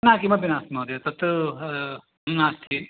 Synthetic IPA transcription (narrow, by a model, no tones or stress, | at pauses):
nakimɐpinaːsmɐd̪et̪ɐt̪ | nast̪ʰi